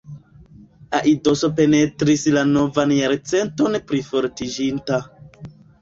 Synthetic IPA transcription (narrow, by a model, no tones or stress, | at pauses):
aʔido̞so̞pe̞ne̞tɾislano̞vanjaɾt͡se̞nto̞npɾifo̞ɾtid͡ʒinta